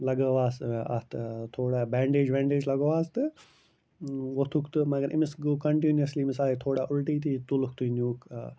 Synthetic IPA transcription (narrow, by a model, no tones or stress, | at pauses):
lɐɡəʋaːsɐ̰t̪t̪ʰoːɽaːbẽːɳɖeːd͡ʒbẽːɳɖeːd͡ʒlɐɡoːʋaːst̪ɨ | ʋot̪ʰukt̪ɨmɐɡɐɾʔɪmɪsɡokɐɳʈiːniɐsliːmɪsaːit̪ʰoːɽaːʔʊlʈiːt̪ʰiːt̪ulʊkt̪unuːk